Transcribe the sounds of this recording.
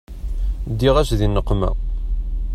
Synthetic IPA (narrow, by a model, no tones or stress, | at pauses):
d̪ːiʁæʃðinːəqːmæ̰